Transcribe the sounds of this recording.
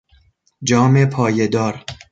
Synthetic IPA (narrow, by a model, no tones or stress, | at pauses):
d͡ʒɒːmepʰɒːjed̪ɒːɾ